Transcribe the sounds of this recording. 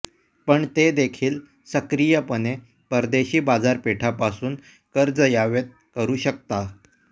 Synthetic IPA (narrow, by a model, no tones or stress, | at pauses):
pəɳt̪ed̪ekʰiːl | səkɾijəpəne | pəɾd̪eɕiːbad͡zaɾpeʈʰapasuːn | kəɾd͡zəjaʋet̪̚kəɾuːɕək̚t̪a